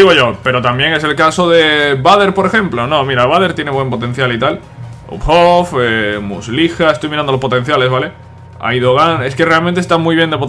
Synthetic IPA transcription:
iɣoʝo̞pe̞ɾo̞t̪ambjeŋe̞se̞lkaso̞ðe̞βaðe̞ɾpo̞ɾe̞xe̞mplo̞nõmiɾaβ̞aðe̞ɾt̪je̞ne̞βwe̞mpo̞t̪ẽ̞n̟θjalit̪al | ṵphofemṵslixaest̪ojmiɾanolo̞spo̞t̪e̞n̟θjale̞zβale̞ | a̰iðoɣane̞ske̞re̞almẽnt̪est̪amujβjend̪epo

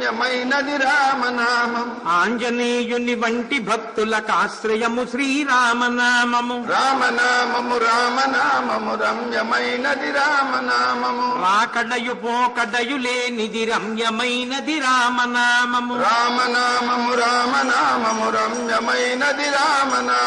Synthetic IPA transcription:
jɐmɐjnɐd̪iɾaːmɐnaːmɐmaːɲd͡ʒɐneːjuniʋɐɳʈibʱɐk̚t̪ulɐkaːsɾɐjɐmuʃɾiːɾaːmɐnaːmɐmuɾaːmɐnaːmɐmuɾaːmɐnaːmɐmuɾɐmjɐmɐjnɐd̪iɾaːmɐnaːmɐmuʋaːkɐɖɐjupõːkɐɖɐjuleːnid̪iɾɐmjɐmɐjnɐd̪iɾaːmɐnaːmɐmuɾaːmɐnaːmɐmɾaːmɐnaːmɐmuɾɐmjɐmɐjnɐd̪iɾaːmɐnaː

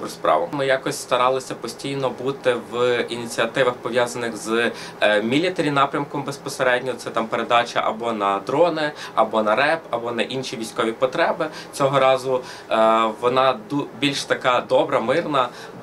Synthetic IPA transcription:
bɾspɾɑ̰ʋɐ̰mɪjɑkɔsʲst̪ɐɾɑlˠɪsʲɐpɔsʲtʲijnɔbut̪ɪʋinʲit͡sʲiɐt̪ɪʋɐxpɔʋʲjɑzɐnɪxz | mʲilʲit̪eɾʲinɑpɾʲɐmkɔmbespɔseɾɛdʲnʲɔt̪sɛt̪ɑmpeɾed̪ɑt͡ʃɐ̰ʔɐ̰bɔnɐd̪ɾɔnɪɐbɔnɐɾɛpɐbɔnɐʔinʃʲiʋʲisʲkɔʋʲipɔt̪ɾɛbɪ | t͡sʲɔɦɔɾɑzʊ | ʋɔnɑd̪ubʲilʲʃt̪ɐkɑd̪ɔbɾɐmɪrnɐ

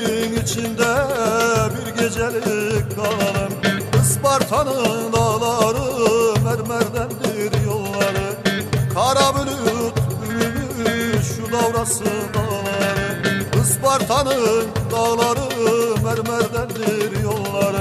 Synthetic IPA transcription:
iŋit͡ʃʰind̪ɛ | biɾɡʲed͡ʒɛɾkɡɑllɯmɯsbɑɾt̪ʰɑnɯŋd̪ɑlˠɑɾɯmæɾmæɾd̪ænd̪ɪɾjolˠːɑɾɯ | kʰɑɾɑbilyt̪ʰylymyʃud̪ɑwɾɑsɯd̪ɑlˠɑɾɯɯsbɑɾt̪ʰɑnɯŋd̪ɑɣlˠɑɾɯmæɾmæɾd̪ænd̪ɪɾjolˠːɑɾɯ

